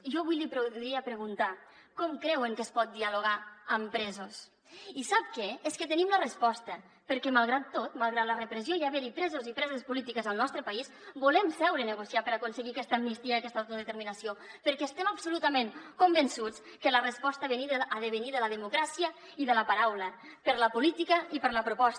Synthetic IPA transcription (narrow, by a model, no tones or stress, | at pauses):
ʒɔβujlipɾɾiəpɾəɣunt̪a | kɔmkɾɛwəŋkəspɔt̪̚d̪ialuɣaəmpɾɛzos | isap̚kɛeskət̪ənimlərəspɔst̪ə | pəɾkɛmalˠɣɾat̪ːot̪malˠɣɾat̪lərəpɾəzjoiaβɛɾipɾɛzozipɾɛzəspulit̪ikəzəlˠnɔst̪ɾəpais | bulɛmsɛwɾənəɣusiapəɾakunsəɣiakɛst̪əmnist̪iəkɛst̪awt̪uðət̪əɾminəsiopəɾkɛest̪ɛməbsulut̪əmeŋkumbənsut͡s | kələrəspɔst̪əβeniðəːðəβəniðələðəmukɾasiə | iðələpaɾawlə | pəɾləpulit̪ikəipəɾləpɾupɔs